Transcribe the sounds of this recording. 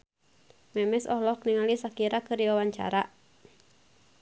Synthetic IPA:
mɛmɛsɔ̰hlɔkniŋalisakiɾakɨrdiwawaɲt͡ʃa̰ɾa

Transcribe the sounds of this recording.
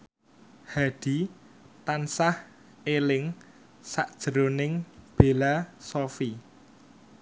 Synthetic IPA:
haɖ̪̥i̤ | t̪ansah | elɪŋ | saʔd̥ʒ̥ə̤ɾonɪŋb̥e̤lasofi

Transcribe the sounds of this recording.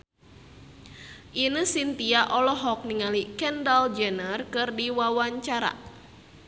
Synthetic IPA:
ʔinəsint̪iaʔɔlɔɦɔk̚niŋalikɛndald͡ʒɛnərkɨrdiwawaɲt͡ʃaɾa̰

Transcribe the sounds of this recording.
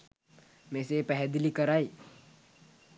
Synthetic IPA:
mesepɛɦɛd̪ilikəɾaj

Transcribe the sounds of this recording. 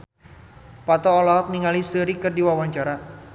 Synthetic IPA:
pat̪ɔːlɔɦɔk̚niŋalisəɾikərdiwawaɲt͡ʃaɾa

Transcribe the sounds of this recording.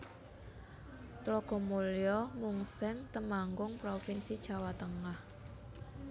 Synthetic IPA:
t̪lɔɡ̥ɔ̤muljɔmuŋsɛŋt̪əmaŋɡʊŋpɾofɪnsid̥ʒ̥a̤wat̪əŋah

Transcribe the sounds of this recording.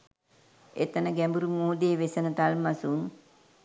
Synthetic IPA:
et̪ənəɡæmbuɾumoːd̪eːʋesənət̪almasun

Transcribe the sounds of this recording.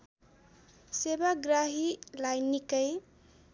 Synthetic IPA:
sebaɡɾaɦilajnikəj

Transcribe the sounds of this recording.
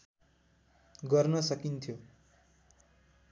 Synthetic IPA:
ɡʌrnʌsʌkint̪ʰjo

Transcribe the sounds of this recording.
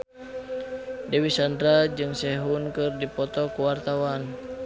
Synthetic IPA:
dɛwisandɾad͡ʒɨŋsɛɦunkɨrdipɔt̪ɔkuwart̪awan

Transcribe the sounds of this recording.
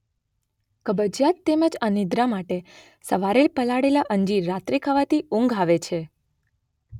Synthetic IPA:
kəbəd͡ʒjat̪ːeməd͡ʒanid̪ɾamaʈe | səʋaɾelpəlaɽelaʔəɲd͡ʒiːat̪ɾikʰəʋat̪iũŋɡʱaʋet͡ʃʰe

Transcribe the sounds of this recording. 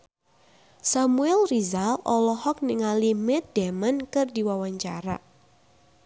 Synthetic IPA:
samuɛlrizalɔlɔhɔk̚niŋalimɛt̪̚dɛmənkɨrdiwawaɲt͡ʃa̰ɾa̰

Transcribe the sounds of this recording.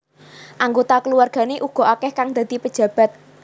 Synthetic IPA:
ʔaŋɡot̪akəluwarɡ̥a̤neʔuɡ̥ɔ̤ʔakɛhkaŋd̪̥ä̤d̪̥ipəd̥ʒ̥ä̤b̥a̤t̪̚

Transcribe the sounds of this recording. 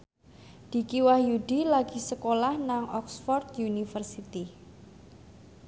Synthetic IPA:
d̪̥i̤kiwahjud̪̥i̤laɡ̥i̤səkolahnaŋʔɔksfɔrt̪junifərsit̪i

